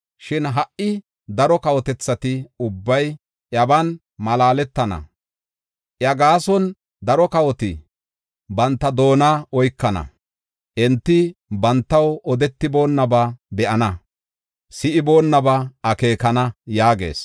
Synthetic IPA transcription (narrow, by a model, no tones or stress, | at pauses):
ʃɪnɦɐʔɪ | d̪ɐɾɔkɐwɔt̪ɛt͡sːɐt̪ɪʊbːɐj | ʔɐbɐn | mɐlaːlɛt̪ːɐnɐ̰ | ʔjɐɡaːsɔn | d̪ɐɾɔkɐwɔt̪ɪ | bɐnt̪ːɐd̪o̞ːnaɔjkːɐnɐ̰ | ʔɛnt̪ːɪbɐnt̪ːɐwɔd̪ɛt̪ːɪbo̞ːnːɐbɐbɛʔɐnɐ | sɪʔɪbo̞ːnːɐbɐʔɐke̞ːkɐnɐjaːɡe̞̰ːs